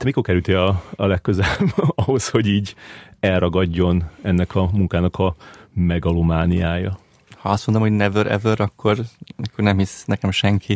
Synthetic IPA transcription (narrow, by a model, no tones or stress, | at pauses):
t̪ɛmiko̞rkɛɾʉlt̪iɒːlɛkːøzɛlɛbɒɦo̞sho̞ɟiːɟɛlrɒɡɒɟːo̞nɛnːɛkʰɒmuŋkaːnɒkʰɒmɛɡɒlumaːnijaːjɒ | hɒɒst̪mond̪omho̞ɟnɛvøɾɛ̰vøɾɒkʰːo̞rnɛkønɛmhisnɛkɛmʃɛŋkʰi